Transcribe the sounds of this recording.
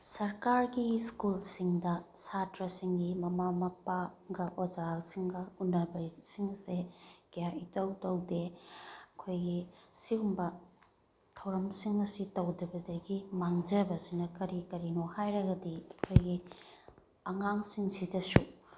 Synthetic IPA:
sɐɾkaɾɡiskulsiŋdɐsatɾɐsiŋɡimɐmamɐpaɡɐʔwɐzasiŋɡɐunːɐbɐsiŋɐseɡijaitɐwtɐwdeɐkʰojɡisiumbɐ | tʰɐwɾɐmsiŋɐsitɐwdɐbɐdɐɡimaŋd͡ʒɐbɐsinɐkɐɾikɐɾinohajɾɐɡɐdiɐkʰojɡi | ɐŋaŋsiŋsidɐsu

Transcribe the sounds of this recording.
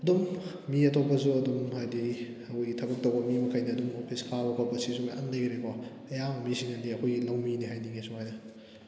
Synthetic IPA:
ɐdumː | iɐtʰopːɐzuɐdumhajdi | ɐkʰojɡitʰɐbɐk̚tɐwbɐmimɐkʰajniɐdumhopʰiskʰabɐkʰɔbɐsisumaʔandajɡɾekʰɔ | ɐjaɐmisiŋɐndiɐkʰojɡilɐwminiɦajniŋesuŋhajnɐ

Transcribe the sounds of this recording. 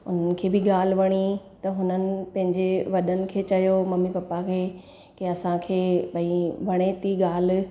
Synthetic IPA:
ʊn̤ənɪ̆kʰeːbɪɠaːl̤̆ʋɐɽ̃it̪ɐɦʊnənɪ̆pɐ̃ɦɪ̃ɲd͡ʑeʋɐɗənɪ̆kʰeːt͡ɕɐjomɐmipɐpːakʰeː | keɐsãkʰeːbɐĩʋɐɽ̃et̪iɠaːl̆

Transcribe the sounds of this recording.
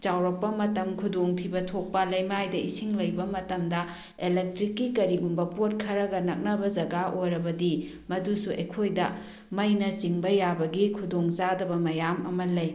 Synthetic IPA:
t͡ʃawɾɐk̚pɐmɐtɐmkʰudoŋtʰibɐtʰok̚pɐlɐjmajdɐʔisiŋlɐjbɐmɐtɐmdɐ | elek̚tɾikːikɐɾiɡumbɐpot̚kʰɐɾɐɡɐnɐk̚nɐbɐd͡ʒɐɡaʔojɾɐbɐdi | mɐdusuʔḛjkʰojdɐ | mɐjnɐt͡ʃiŋbɐjabɐɡikʰudoŋt͡ʃadɐbɐmɐjamɐmɐlɐj

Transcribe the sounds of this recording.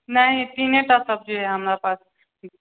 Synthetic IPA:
nɐɦĩt̪iːnẽʈasəb̚d͡ʒoɦɛɦɐmɾapaːs

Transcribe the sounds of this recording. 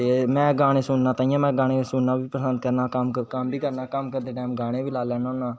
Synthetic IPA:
t̪emɛ̃ːɡaːɽ̃ẽːsʊnnaːt̪aːĩjãːmɛ̃ːɡaːɽ̃ẽːsʊnnaːbʱiːpɾəsənd̪̚kəɾnaːkamkaːmbʱiːkəɾnaːkəmkəɾd̪eːʈɛːmɡaːɽ̃ẽːbʱiːlaːlɛːnanaː

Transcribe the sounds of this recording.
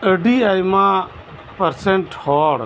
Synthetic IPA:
əɖiajma | pəɾsɛɳʈhɔɽ

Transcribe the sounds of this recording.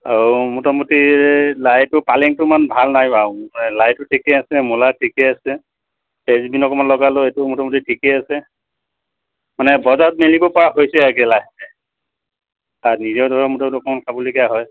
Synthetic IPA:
aɹumutɔmutiɹɛlajtʊpalɛŋtʊmanbʱalnajbaɛlajtʊtʰikɛasɛmulatʰikɛasɛ | pezbinɔkɔmanlɔɡalɔejtʊmutɔmutitʰikɛasɛ | manɛbɔzat̚melibɔpɔɹaɦojsɛaɡɛlajsɛ | aɹnizɔɹdʱɔɹɔmutɔmutɔkɔmankʰabɔlokijaɦɔj

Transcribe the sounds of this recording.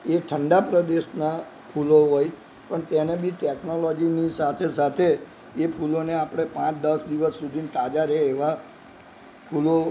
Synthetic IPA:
eʈʰəɳɖapɾəd̪eʃna | pʰuloɦoj | pəɳt̪enebʱiʈeknolɔd͡ʒinisat̪ʰesat̪ʰeː | pʰuloneapəɽ̃epãt͡ʃd̪əsd̪iʋəsːud̪ʱint̪ad͡ʒaɾɛeʋa | pʰulo

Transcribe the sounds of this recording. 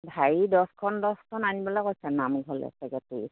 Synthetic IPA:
bʱajidɔskʰɔndɔskʰɔnanibɔlɔkojsɛnamɡʱɔlɛ̰sɛkɛti

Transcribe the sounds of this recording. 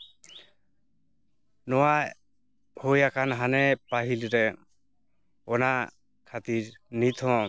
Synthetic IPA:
nɔwaj | hojakʰanɦanɛpaɦilɾɛ | ɔna | kʰat̪iɾnit̪ʰɔ̃

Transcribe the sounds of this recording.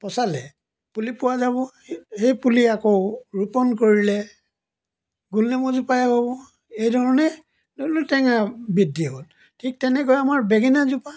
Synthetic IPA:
pɔsalɛ | pulipʊwazaβɔ | hejpuliakoɹupɔnkoɹilɛ | ɡulnɛmɔzupajɛɦobɔ | ejdʱɔɹɔnɛ | dolutɛŋabidːiɦol | tʰik̚tɛnɛkɔjamaɹbɛɡɛnazupa

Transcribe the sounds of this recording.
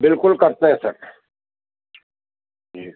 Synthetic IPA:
bɪlkʊlkɐɾt̪eɦɛ̃sɐɾ | d͡ʒi

